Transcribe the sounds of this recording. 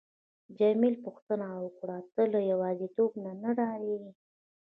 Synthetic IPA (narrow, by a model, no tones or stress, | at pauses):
d͡ʒamilpuxt̪ənawəkɽat̪əlajawɑzit̪obnanaɽɑɾii